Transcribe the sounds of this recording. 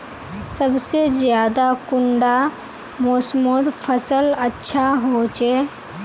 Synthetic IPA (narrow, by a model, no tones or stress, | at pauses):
səbsezjaːd̪akʊɳɖa | mʊsmod̪pʰəsələtːʃʰaɦot͡ʃeː